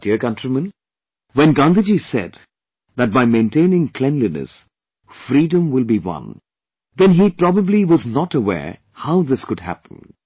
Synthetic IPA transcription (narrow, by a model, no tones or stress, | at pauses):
d̥iəɹkʌ̃ntɹimə̃n | wɛ̃nɡãnd̪əd͡ʒisɛ̰d̪ | ðæt̚baɪmẽɪ̃ntẽɪnɪ̃ŋkʰl̥ɛ̃nlinɨ̰s | fɾiːdə̃mwɪlˠbiwʌ̰̃n | ðɛ̃nɦipɾɔbəbliwʌznɔtəwɛ̰ɹ | haʊðɪskʊdhæ̰pə̃n̩